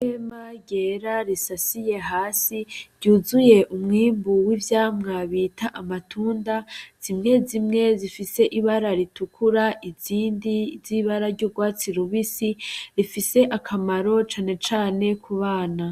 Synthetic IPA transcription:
emaɟeɾaɾisasije̞ɦaːsiɾɟuːzuje̞ʔumŋiːmbuwivjaːmŋaβiːtʰaʔamatʰuːndaz̥imŋe̞zimŋe̞zifise̞ʔiβaɾaɾitukʰuɾaʔiziːndiziβaɾaɾɟuːɾɡwaːt͡siɾuβisiɾifise̞ʔakʰamaɾo̞t͡ʃaːne̞t͡ʃaːne̞kʰuβaːna

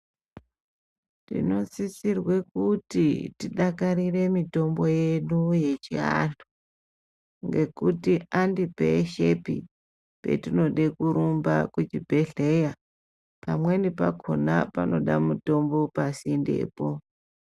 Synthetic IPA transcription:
tḭno̞t͡sisirwekutitiɗakaɾire̞mito̞mbo̞jeɗuje̞t͡ʃia̰ntu | ŋɡe̞kutiandipḛʃe̞pi | pe̞̰tino̞ɗekuɾumbakud͡ʒibʱe̞ɮe̞ja | pamwe̞nipakʰo̞̰napa̰no̞ɗamuto̞mbo̞pasinde̞̰ːpo̞

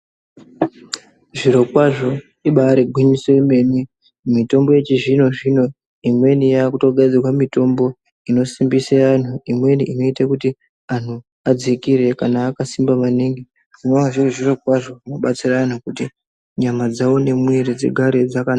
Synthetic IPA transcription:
ʐiɾo̞kwaʐo̞ | iɓaɾeɡʱwiɲisoime̞mi | mito̞mbo̞je̞t͡ʃiʐin̤o̞ʐino̞ | imwe̞nijakuto̞ɡʱad͡zirwamito̞mbo̞ | ino̞simbisean̤uimwe̞niʔino̞itakuti | an̤u | ad͡zikiɾe̞kanaːkasimbamaniŋɡe | ʐino̞naʐiriʐiro̞kwaʐo̞ʐino̞ɓat͡siraanakuti | ɲamad͡zawo̞ne̞mueɾid͡ze̞̰ɡʱaɾe̞d͡zakana

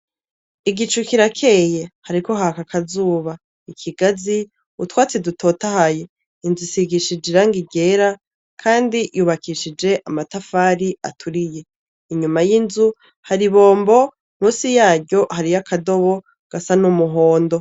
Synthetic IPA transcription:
iɡit͡ʃukiɾakʰe̞je̞haɾiko̞ɦakakʰazuːβa | ikʰiɡazi | utwaːt͡sidutʰo̞ːtahaje | inzusiɡiʃid͡ʒiɾaŋɡiɟe̞ɾa | kʰaːndijuːβakiʃid͡ʒe̞ʔamatafaːɾia̰tʰuɾije̞ | iɲumajinzu | haɾiβo̞ːmbo̞ | muːsijaːɟɟo̞haɾijakʰado̞βo̞ | ɡ̥asanumuɦo̞ːndo̞

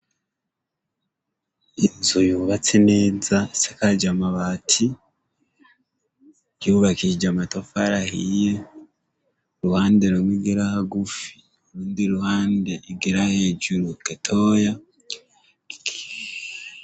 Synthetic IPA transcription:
inzujuːβat͡sene̞ːzasekad͡ʒamaβaːtʰi | juβakid͡ʒamatofaɾahije | ɾuhaːndeɾumwiɡeɾahaɡufi̥ | uɾuːndiɾuhaːndeʔiɡeɾahe̞ːɟuɾuketʰoːja

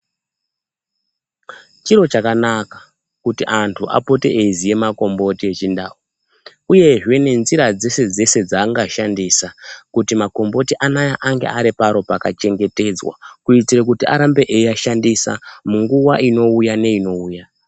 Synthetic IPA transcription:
t͡ʃiɾo̞t͡ʃakanakḁ | kutiʔantʰuʔa̰po̞te̞̰ʔezije̞mako̞mbo̞tie̞t͡ʃindaːu | uje̞ʐwe̞ne̞nziɾad͡ze̞se̞d͡ze̞se̞d͡zaːŋɡaʃandisakutimako̞mbo̞tiʔanajaʔaŋɡe̞̰ʔaɾipaɾo̞paka̰t͡ʃe̞ŋɡe̞te̞d͡zwa̰kuit͡siɾekutia̰ɾambe̞ʔejiaʃandisa̰muŋɡuwaino̞ujane̞ino̞uːja

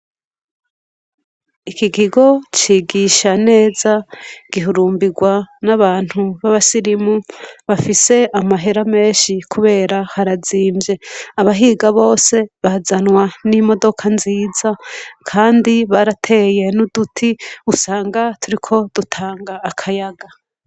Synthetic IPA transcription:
ikiɡiɡo̞t͡ʃiːɡiʃane̞ːzaɡ̥iɦuɾuːmbiɡwanaβaːn̥huβaβasiɾimuβafise̞amaɦe̞ɾame̞ːnʃikʰuβe̞ːɾahaɾaziːmbje̞aβaɦiːɡaβo̞ːse̞βazanwanimo̞do̞kʰanziːzakʰaːndiβaɾatʰe̞je̞nudutʰiusaːŋɡatuɾikʰo̞d̥utʰaːŋɡaːkʰajaɡa

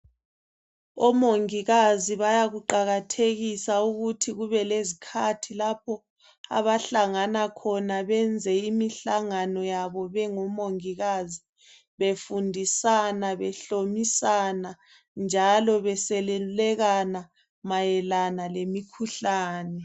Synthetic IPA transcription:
ɔmoŋiɣaziβajaɣuǃaɣatʰeɣisauɣutʰiɣuβɛlezikʰatʰilapʰɔ | a̰βaɬaŋanakʰɔnaβɛnd͡zʱɛimiɬaŋanɔjaβɔβɛŋɔmoŋiɣazi | βefundʱisanaβɛɬomisana | nd͡ʒʱalɔβɛsɛlɛlɛɣana | majɛlanalemikʰuɬaːnɛ

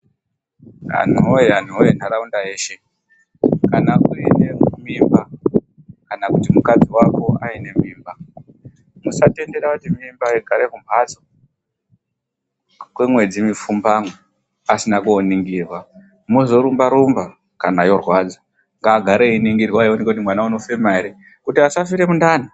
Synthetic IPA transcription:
a̰n̤uoean̤uojen̤araundaeːʃe̞ | kanakuenemimba | kanakutimukad͡ziwako̞aine̞miːmba | musate̞nde̞ɾakutimimbaeɡʱaɾe̞kumpad͡zo | kwemwe̞d͡zimifumbamwe | asinakuoniŋɡirwa | muzo̞ɾumbaɾumba | kanajo̞rwaːd͡za | ŋɡaːɡʱaɾeiniŋɡirwaionekekut̬imwanauno̞femaeɾe | kutiasafiɾe̞mundaːna

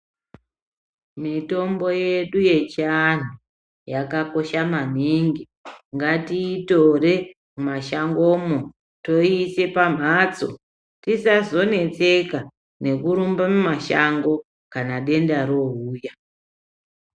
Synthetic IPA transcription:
mito̞mbo̞je̞ɗuje̞t͡ʃːn̤u | jakako̞ʃaman̤iŋɡi | ŋɡatiːto̞re̞ | mumaʃaŋɡo̞mo | to̞ise̞pam̤at͡so̞̰ | tisazo̞ne̞t͡se̞ka | ne̞kuɾumbamumaʃaŋɡo̞ | kanaɗe̞ndaɾo̞ɦuːja

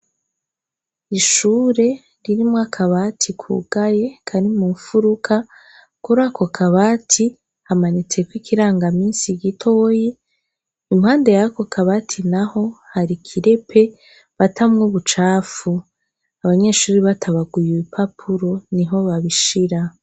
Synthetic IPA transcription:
iʃuːɾe̞ | ɾiɾimŋakʰaβatʰikʰṵɡ̥ajekʰaɾimuːɱfuɾukʰa | kuɾakʰo̞kʰaβaːtʰi | hamanit͡se̞kwikʰiɾaːŋɡamiːnsiɡitʰo̞ːji | imhaːnde̞jakokʰaβatʰinaho̞haɾikʰiɾe̞pʰe̞ | βatʰamŋuβut͡ʃaːfu | aβaɲe̞ʃuːɾiβatʰaβaɡujuipʰapʰuɾo̞niɦo̞βaβiʃiɾa

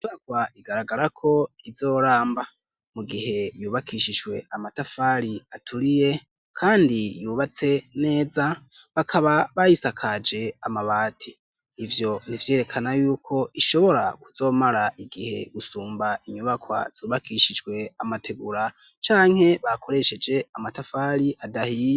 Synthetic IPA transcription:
twakwaʔiɡaɾaɡaɾakʰo̞izo̞ːɾaːmba | muɡihe̞juːβakʰiʃid͡ʒwe̞̰amatafaɾiatʰuɾije | kʰaːndijuːβat͡se̞ne̞ːza | βakʰaβaβajisakʰad͡ʒe̞amaβaːtʰiː | vjo̞nivje̞ːɾe̞kʰanajuːkʰo̞ʔiʃo̞βo̞ɾa̰kuz̥o̞ːmaɾaʔiɡihe̞̰ɡusuːmbaiɲuβakwa̰z̥uːβakʰiʃid͡ʒɡwe̞amatʰe̞ɡuɾa | t͡ʃaːŋ̥he̞βakʰo̞ɾe̞ʃe̞d͡ʒe̞amatafaːɾiʔadahi

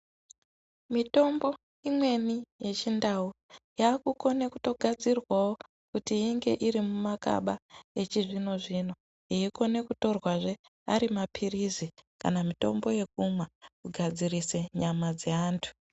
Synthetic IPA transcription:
mito̞mbo̞ | imwe̞nije̞t͡ʃindaujaːkuko̞ne̞kuto̞ɡʱad͡zirwawo | kutiiŋɡe̞ʔiɾimumaka̰ɓae̞t͡ʃiʐino̞ʐino̞ | jiiko̞ne̞kuto̞rwaʐe̞ | a̰ɾimapʰirizika̰namito̞mbo̞je̞k̚umwakuɡʱad͡zirise̞ɲamad͡zeaːntʰu̥

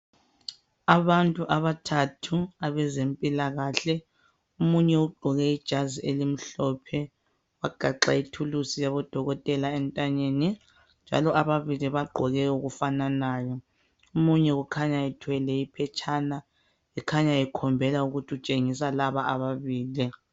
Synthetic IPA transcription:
aβantʼuʔaβatʰatʰuaβɛzempʼilaɣaɬɛ | umuɲɛuɡ͡ǃʱɔɣɛid̥ʒ̥ʱaziʔelim̩ɬɔpʰɛ | waɡ̥ʱaǁaitʰulusijaβɔd̥ʱɔɣɔtʼɛlaɛntʼaɲeːni | nd͡ʒʱa̰lɔaβaβiliβaɡ͡ǃʱɔɣɛuɣufananaːjɔ | umuɲɛɣukʰaɲaɛtʰwɛlɛipʰɛt͡ʃʰʼaːna | ɛkʰaɲaɛkʰɔmbʱɛlauɣutʰiut͡ʃʼeŋisalaβaaβaβiːli

